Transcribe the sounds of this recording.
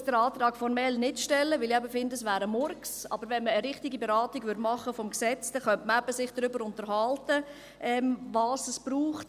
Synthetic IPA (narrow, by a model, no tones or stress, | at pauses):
d̥əɾɑːt̪ɾɑːɡ̥fɔɾmɛlnɪtʃtɛlːəʋɪliɛbəfɪndəsʋæːɾəmɔrksɑ̰bəɾvʋɛnməːɾɪχtiɡibeɾɑːtiɡʋʏɐdmɑχːəfɔmksɛt͡sd̥ɛχœntməɛbəsɪχd̥ɾʏbəɾʊntəɾɦɑltə | ʔɛːmvɑːsəsb̥ɾuːχt